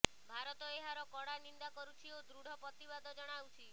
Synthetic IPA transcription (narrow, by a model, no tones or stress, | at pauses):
bʱaɾɔt̪ɔeɦaɾɔkɔɽanind̪akɔɾut͡ʃʰiod̪ɾuɽ̤ʱɔpɔt̪ibad̪ʱɔd͡ʒɔɽ̃awt͡ʃʰi